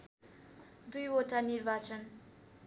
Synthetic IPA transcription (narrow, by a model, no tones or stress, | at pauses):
d̪ujoʈanirbat͡sʰʌn